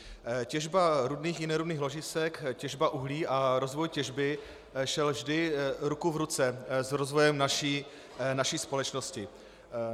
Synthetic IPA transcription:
cɛʒbaɾudniːxjɪnɛɾudniːxlo̞ʒɪsɛkcɛʒbaʔuɦliːʔaɾo̞zvo̞jcɛʒbɪ | ʃɛlvʒdɪɾukuvɾut͡sɛzɾozvo̞jɛmnaʃiː | naʃiːspo̞lɛt͡ʃno̞scɪ

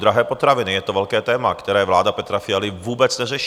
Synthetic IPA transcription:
d̪ɾaɦɛːpɔt̪ɾaʋinijɛt̪ɔʋɛʎkɛːt̪ɛːmakt̪ɛɾɛːʋlaːd̪apɛt̪ɾafɪaliʋuːbɛd͡zɲɛzɛʃ

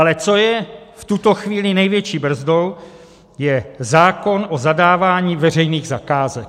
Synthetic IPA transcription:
ʔalɛt͡so̞jɛft̪ut̪o̞xviːlɪnɛjvjɛt͡ʃiːbr̩zdo̞w | jɛzaːko̞nʔozadaːvaːɲiːvɛr̝ɛjniːɣzakaːzɛk

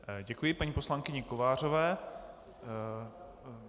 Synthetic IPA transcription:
ɟɛkujɪpaɲiːpo̞slaŋkɪɲɛkovaːr̝ovɛː

